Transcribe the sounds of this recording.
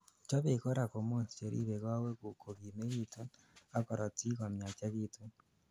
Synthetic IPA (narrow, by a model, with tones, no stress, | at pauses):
t͡ʃo˦βe˨ko˦ɾa˨ko˨moː˦˨nsi̥˨t͡ʃe˨ɾḭ˦βe˨ɣwa˦we˦kukʰo˨ɣi˨me˦ɣi˨tu˦ | a˦ko˨ɾa˨t͡si˦ɣa˨mja˨t͡ʃaɣitu˦